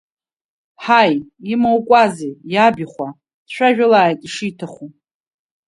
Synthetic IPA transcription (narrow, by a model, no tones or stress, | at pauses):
ħajimowkʷʼazejabiχʷa | d̥ʃʷᶣaʒᶣʊlaːjtʼiʂitʰaχu